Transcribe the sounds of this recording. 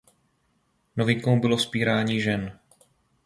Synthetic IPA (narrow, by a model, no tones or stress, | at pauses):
no̞vɪŋkowbɪlospiːɾaːɲiːʒɛn